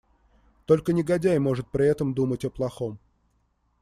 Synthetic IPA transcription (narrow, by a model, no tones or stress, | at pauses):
t̪o̞lʲkənʲɪɡɐdʲæjmo̞ʐɨt̪̚pɾʲɪɛt̪əmd̪umətʲɐplˠɐxo̞m